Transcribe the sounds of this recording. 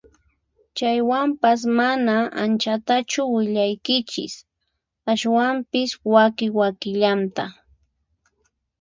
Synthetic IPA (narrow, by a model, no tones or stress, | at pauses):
t͡ʃajwampas̬manaant͡ʃat̪at͡ʃʊwɪʎajkɪt͡ʃɪ̰s | aʃwampɪswakɪwakɪʎant̪a